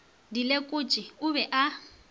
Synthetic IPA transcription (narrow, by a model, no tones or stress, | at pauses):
dilekʼʊt͡ʃʼɪʊbɛʔa